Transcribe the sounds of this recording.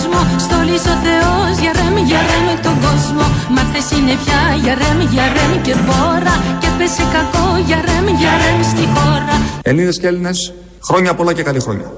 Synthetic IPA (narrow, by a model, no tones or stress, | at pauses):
zmost̪oliso̞θe̞ozʝɐɾemʝɐɾemet̪o̞ŋɡo̞zmo̞mɐkθesinepçɐʝɐɾemʝɐɾemce̞ðo̞ɾɐcepesekɐko̞ʝɐɾemʝɐɾemst̪ixo̞ɾɐeliðesceline̞s | xɾo̞ɲɐpo̞lɐcekɐlixɾo̞̰ɲɐ̰